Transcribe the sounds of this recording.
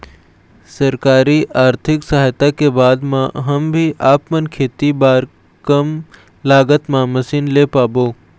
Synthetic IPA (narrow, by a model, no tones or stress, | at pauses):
sɐɾkaːɾiʔaːɾt̪ʰɪksɐɦaːjt̪akebaːd̪mãɦəmbʱiʔaːpmənkʰeːt̪ibaːɾ | kəm | laːɡət̪mãːmɐsinleːpaːboː